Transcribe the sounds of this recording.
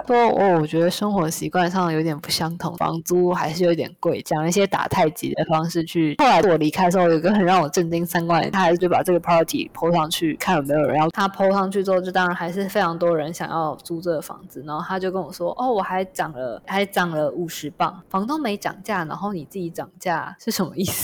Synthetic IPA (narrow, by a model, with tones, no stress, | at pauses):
ʂwɔ˥ɔ̰˥˩wɔ˨˩t͡ɕɥɛ˧˥d̪ə˧ʂə˥ŋxwɔ˧˥ɕḭ˧˥kwa˥˧nʂɑ˥˩ŋjo˧˥t̪jɛ˨˩pu̥˧˥˩ɕjɑ˥ŋt̪ʰʊ̰˧˥ŋfɑ̰˧˥ŋt͡su˥xa˧˥ɪʂɻ̩˥˩jo˧˥i˥t̪jɛ̰˨˩nkwe˥˩ɪt͡ɕjɑ˨˩ŋlə˦i˥˩ɕjɛ˥t̪a̰˨˩t̪ʰa˥˩ɪt͡ɕḭ˧˥d̪ə˧fɑ˥ŋʂɻ̩˥˧t͡ɕʰy˥˩xo˥˩ʊla˧˥ɪ˥˩wɔ˨˩li˧˥kʰɪdʂ̩˧˥o˥˩jo˨˩˧ə˧xə˨˩nɻɑ˥˩ŋwɔ˨˩ʈ͡ʂə˥˩nt͡ɕi˥ŋsa˥nkwa˥˩n˨a˥˧ɪʂ̩˥˧˩t͡ɕo˥˩a˨˩ʈ͡ʂɤ˥˩ɡə˩pʰɹɑ˥pə˧˩t̪ʰḭ˨˩pʰo˥ʊʂɑ˥˧ŋt͡ɕʰy˥˩kʰa˥˩nwɔ˨˩me˧˥ɪjo˨˩ɻə̰˧˦njɑ˥˧˩t̪ʰa˥pʰo˥ʊʂɑ˥˧ŋt͡ɕʰy˥˧t͡swɔ˥˧ʈ͡ʂɻ̩˥˩t̪ɑ˥ŋɻa˨˧˥nxa˧˥ɪʂɻ̩˥˩fe˥ɪʈ͡ʂʰɑ˧˥ŋt̪wɔ˥ə˧ɻə˧˦nɕjɑ̰˨˩ŋjɑ˥˩ʊt͡su˥t͡sɔ˥˩ɡə˩fɑ̰˧˥ŋd͡zɹ̩˨˩na˧˦˥xo˥˩t̪ʰa˥t͡ɕjo˥˧ʊkə˥nwɔ˨˩ʂwɔ˥ʔɔ˥˩wɔ˨˩xa˧˥ɪʈ͡ʂɑ˨˩ŋlə˦xa˧˥ɪʈ͡ʂɑ˨˩ŋlə˦ʔu˨˩ʂɻ̩˧˥pɑ˥˩ŋfɑ˧˥ŋt̪o˥ŋme˧˥ɪʈ͡ʂɑ̰˨˩ŋt͡ɕja˥˩na̰˧nxo˥˩ʊni˨˩t͡sɹ̩˥˩i˧˥ʈ͡ʂɑ˨˩ŋt͡ɕja˥˩ʂɻ̩˥˩ʂə˧˥nmə˦i˥˩s